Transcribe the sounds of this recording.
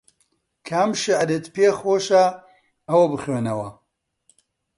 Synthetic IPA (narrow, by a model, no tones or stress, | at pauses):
kʰamʃiʕad̪et̪peːxoʃa | ɐwɐbɨxɥenɐwɐ